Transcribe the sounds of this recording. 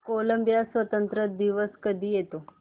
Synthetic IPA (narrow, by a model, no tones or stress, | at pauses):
koləmbijasʋət̪ənt̪ɾəd̪iʋəskəd̪ʱiːjet̪o